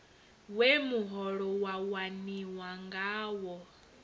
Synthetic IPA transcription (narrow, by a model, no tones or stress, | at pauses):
wemuɦɔɺɔwawaniwaŋɡaːwɔ